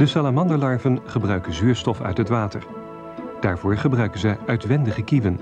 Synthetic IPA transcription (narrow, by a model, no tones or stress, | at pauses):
dəsalamɑndəlɑɹvənχəbrœɥkənzyːɹstɔfœ̰ɥtɦətʋaːtəɹ | d̥aːɹvʊːɹχəbrœɥkənzɛjœɥtʋɛndəχəkivən